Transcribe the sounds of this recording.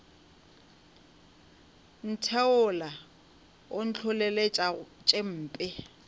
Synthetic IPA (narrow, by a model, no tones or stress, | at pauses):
n̩tʰɛʊla | ʊn̩t͡ɬʰʊleleat͡ʃʼem̩ːpʼɪ